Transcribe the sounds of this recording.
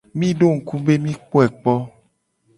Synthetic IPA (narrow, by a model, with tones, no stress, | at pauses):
mĩ˦ɖo˦ŋ̩˨ku˦be˦mĩ˦k͡po˦ɛ˨k͡pɔ˦